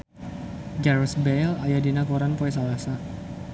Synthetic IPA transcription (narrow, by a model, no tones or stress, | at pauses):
ɡɛɾsbelajadinakuɾanpoɛs̬alasa